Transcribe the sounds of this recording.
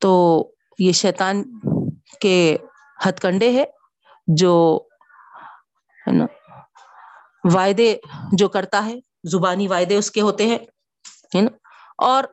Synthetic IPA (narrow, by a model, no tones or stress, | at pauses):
t̪oː | jeʃɛːt̪aːn | ke | hɐt̪kə̃ɳɖeɦɛː | d͡ʒoː | ɦɛ̰na̰ | ʋaːɪd̪ed͡ʒoːkɐɾt̪aɦɛː | zʊbaːniʋaːɪd̪eʊskeɦoːt̪eɦɛ̃ː | ɦɛna | ɔːɾ